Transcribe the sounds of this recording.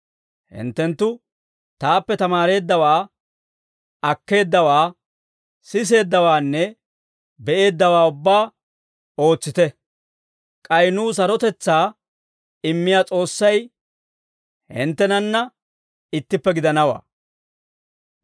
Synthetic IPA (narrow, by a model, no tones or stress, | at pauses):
hɪ̰nt̪ːɛnt̪ːʊ | t̪aːpːɛt̪ɐmaːɾe̞ːd̪ːɐwaː | ɐkːe̞ːd̪ːɐwaː | sɪs̬e̞ːd̪ːɐwaːnːɛ | bɛʔe̞ːd̪ːɐwaːʊbːaː | o̞ːt͡sːɪt̪ɛ | kʼɐjnuːs̬ɐɾɔt̪ɛt͡sːaː | ɪmːɪjaːt͡sʼo̞ːsːɐj | hɪ̰nt̪ːɛnɐnːɐ | ɪt̪ːɪpːɛɡɪd̪ɐnɐwa̰ː